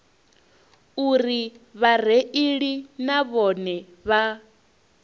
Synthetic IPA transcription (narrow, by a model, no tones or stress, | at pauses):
uɾiβar̤eʔiɺinaβɔnɛ | βa